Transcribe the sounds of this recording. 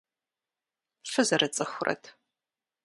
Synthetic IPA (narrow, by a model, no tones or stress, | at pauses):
fɨzɐɾɐt͡sʼɨxʷʊrʔɐ̰tʰ